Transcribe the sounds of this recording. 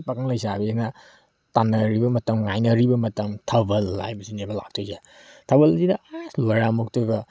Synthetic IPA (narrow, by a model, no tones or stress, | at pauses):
pakaŋlɐjsabeenɐ | tanɐɾibɐmɐtɐmŋajnɐɾibɐmɐtɐmtʰɐbɐlːa̰jbɐsinebɐla̰k̚tʰoze | tʰɐbɐlzinɐasloɾamok̚tuɡɐ